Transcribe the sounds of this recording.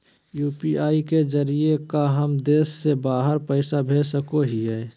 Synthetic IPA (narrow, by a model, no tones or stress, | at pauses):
juːpiaːikezəɾiekaɦəmd̪eːsːebaːɦəɾpəɪsabʱeːsəkoɦiɦɛː